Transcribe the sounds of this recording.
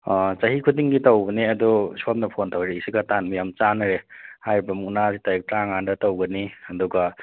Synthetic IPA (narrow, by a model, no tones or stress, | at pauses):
t͡ʃɐɦikʰudiŋɡitɐwbɐniɐdɔsop̚m̚nɐpʰontawɾeisiɡɐtanmijamt͡ʃanɐɾehajɾibɐmuk̚nasitajik̚tɾaŋandɐtowɡɐniɐduɡa